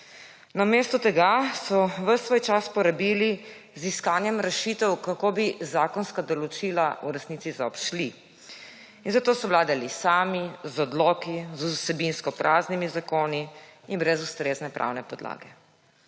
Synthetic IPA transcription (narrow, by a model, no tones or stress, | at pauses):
namest̪ɔt̪ɛɡasɔʋəsʋoːjt͡ʃaspɔɾabili | ziskaːnjɛmɾɛʃit̪ɛwkakoːbizaːkɔnskad̪ɔlɔt͡ʃilauɾɛsniːt̪izaɔpʃli | inzat̪oːsɔwlaːd̪alisaːmizɔd̪lɔkizusɛbinskɔpɾʔaːznimizakoːniinbɾɛzust̪ɾeːznɛpɾʔa̰wnɛpɔd̪la̰ːɡɛ